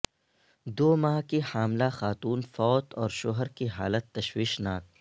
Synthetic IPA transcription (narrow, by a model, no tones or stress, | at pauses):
d̪oːmaɦkihaːmlaxaːt̪uːnfɔːt̪ɔːɾʃoɦəɾkiɦa̰ːlət̪ːɐʃwiːʃnaːk̚